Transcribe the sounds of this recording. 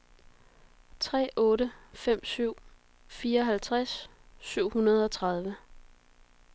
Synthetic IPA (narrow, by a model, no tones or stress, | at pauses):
t͡sʰʁɛ̰ːʔɔ̽ːɾəfem̰syʊ̰ | fiːɐɒ̽ɦælt͡sʰʁasːyʊ̰hunɐð̞ˠɒ̽t͡sʰʁɑð̞ˠʋə